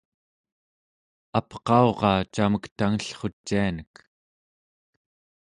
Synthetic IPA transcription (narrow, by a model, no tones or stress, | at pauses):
apqɑo̞ʁɑːt͡ʃaməkt̪aŋəɬχo̞t͡ʃːianək